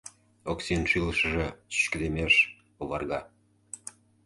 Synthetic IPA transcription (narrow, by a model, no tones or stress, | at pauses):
oksinʃiləʃə̆ʒĕɕy̥ɕkə̆d̪emeʃ | oβɑrɣɑ